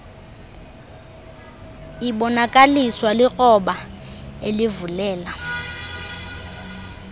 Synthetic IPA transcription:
iɓɔnakʼaliswalɪɣɔɓaelɪvulɛːla

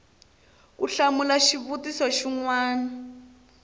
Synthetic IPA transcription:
kuɬamulaʃiβutisɔʃiŋwaːna

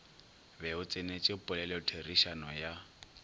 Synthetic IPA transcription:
bɛʊt͡sʼɪnet͡ʃʼɪpʼʊlɛlɛʊtʰeriʃanɔja

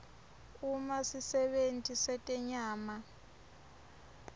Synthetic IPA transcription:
umasisɛɓentʼisɛtʼɛɲaːma

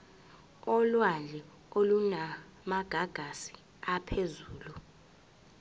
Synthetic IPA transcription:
ɔlwalɛ | oluna | maɡ̥ʱaɡ̥ʱasi̥ | apʰezuːlu

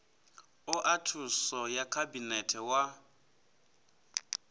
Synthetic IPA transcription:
ʊʔatʰusɔjakʰabinɛtʰɛwa

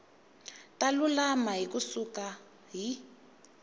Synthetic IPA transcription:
talulamaɦikusuka | ɦi

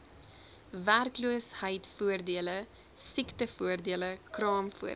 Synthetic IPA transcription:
værkluəshəjtfuərdiələ | siktəfuərdiələkrɑːmfṵə

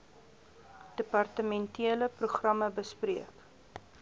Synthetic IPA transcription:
d̥əpɐrtəmɛntiələpruχrɐməbəspriək

